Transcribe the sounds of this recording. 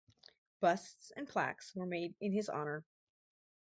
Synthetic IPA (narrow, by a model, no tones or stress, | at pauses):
b̥ʌstsɨ̰̃npʰl̥æ̰kswə˞meɪɾɨ̃nɨzɑ̰nə˞